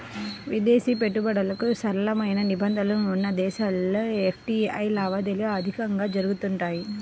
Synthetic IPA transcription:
ʋid̪eːsiːpeʈːubɐɽɐlɐkusɐɾɐlɐmɐjnɐnibɐnd̪ʱɐlɐnuːnːɐd̪ɛːʃaloefʰʈiɐjlaːʋaːd̪elijɐd̪ʱikɐŋɡaːd͡ʒɐɾuɡut̪uɳʈaːji

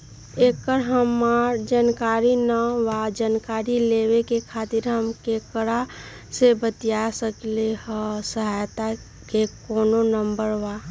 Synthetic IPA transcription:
ekəɾɦəmaɾd͡ʒankaɾinəwad͡ʒankaɾilewekekʰat̪iɾɦəmkekəɾa | sebət̪ijasəklehə̃səɦajt̪a | kekoːnonəmbəɾʋa

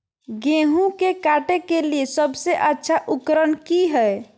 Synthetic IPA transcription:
ɡẽɦũkekaʈekeliesəbseʔətːʃʰaʔukɾənkiɦəe

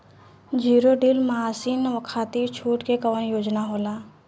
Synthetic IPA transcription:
d͡ʒiːɾoɖiːlmaaːsiːnʋəkʰaːt̪iːɾt͡ʃʰuːʈkekəʋənjoːd͡ʒnaɦoːlaː

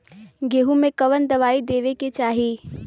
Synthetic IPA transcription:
ɡeːɦumẽkɐʋənd̪ɐʋaːid̪eːʋeket͡ʃaːɦiː

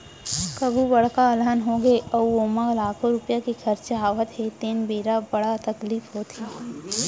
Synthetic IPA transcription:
kɐbʱubɐɽ̤kaəlɦənɦõɡeɔːwoːməɡlaːkʰõɾʊpjakixʰɐɾt͡ʃɦaːʋət̪ɦet̪eːnbeːɾabɐɽat̪ɐkliːfɦoːt̪ʰiː

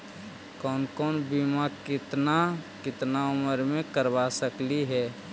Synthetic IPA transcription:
kɔːnkɔːnbimakɪt̪nakɪt̪naʊməɾmẽkəɾbasəkliɦɛː

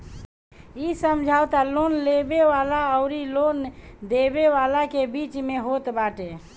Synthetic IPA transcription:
isəmd͡ʒʱawt̪alonlebeʋalaəʊɾilond̪ebeʋalakebit͡ʃmeɦot̪baʈe

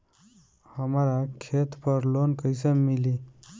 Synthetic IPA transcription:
həmɾakʰet̪pəɾlonkəjsəmili

